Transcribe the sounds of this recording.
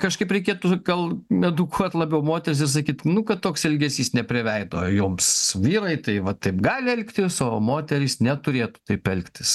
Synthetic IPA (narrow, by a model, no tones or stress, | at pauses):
kɐʃkɐɪpɾʲɛɪkʲeːt̪ʊɡɐlˠmʲɛd̪ʊkʰuɔt̪lˠɐːbʲɛʊmoːt̪ʲɛɾʲɪs̬ɪɾs̬ɐkʲiːt̪nʊkɐt̪tːoːksɛlʲɡʲɛsʲiːsnʲɛpʲɾʲɪʋʲɛɪd̪o̰ːjʊːmsʋʲiːɾɐɪt̪ɐɪʋɐt̪ɐɪpɡɑːlʲɪɛlʲkt̪ʲɪsoːmoːt̪ʲɛɾʲisnʲɛt̪ʊɾʲeːt̪ʊ̥t̪ɐɪpɛlʲkt̪ʲɪs